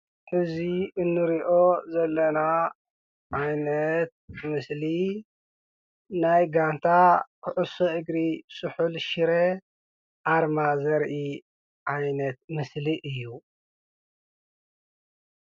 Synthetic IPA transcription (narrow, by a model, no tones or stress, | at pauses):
ħɨziɨnːɨɾiʔo̞zɐlːɐna | ʕajnɐt̪̚mɨsli | najɡant̪ʰakʰɨʕusoʔɨɡɾisʼɨħulʃiɾe | ʔaɾmazɐɾʔi | ʕajnɐt̪mɨsliʔɨjːu